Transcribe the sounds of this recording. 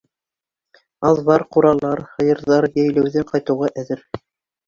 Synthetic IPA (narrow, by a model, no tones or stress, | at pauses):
ɑðβɑɾquɾɑlˠɑɾχɤ̆jɤ̆ɾðɑɾjæjlæwðɘɴqɑjt̪ɤ̆wʁɑʔæðɘɾ